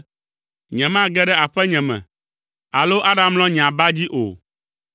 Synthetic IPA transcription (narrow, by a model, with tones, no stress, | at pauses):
ɲɛ̃˨mã˦ɡɛ˦ɖɛ˦a˨ɸɛ˦ɲɛ̃˨mɛ̰̃˨ | a˨lo˦ʔa˦ɖa˦ml̃ɔ̃˦ɲ̃˨ã˨ba˦d͡ʑi˦ʔo̰˨